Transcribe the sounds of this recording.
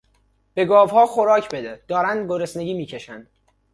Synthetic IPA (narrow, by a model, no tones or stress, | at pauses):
b̥e̞ɡɒːvhɒːxoɾɒːcʰbe̞d̪ed̪̥ɒːɾænd̪ɡoɾesne̞ɟʲiːmiːcʰe̞ʃænd̪̥